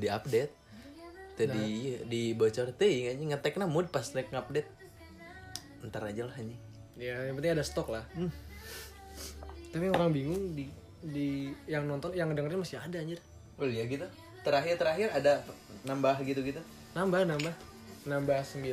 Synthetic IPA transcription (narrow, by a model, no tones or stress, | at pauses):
diap̚dɛt̪̚ | d͡ʒadidibot͡ʃərt̪əŋaɲɛŋat̪ɛknamud̚pasnɛkap̚dɛt̪̚ | ənt̪aɾad͡ʒalahaɲɛ | jajaŋpəniŋadasə̥t̪ɔklah | t̪apijaŋoɾaŋbiŋʊŋdi | dijaŋnɔnt̪ɔnjaŋədəŋərɲamasiadaːɲər | ojaɡit̪u | t̪əɾaɦɪrt̪əɾaɦɪrada | nambaɦɡit̪uɡit̪u | nambahnambah | nambahsəmbi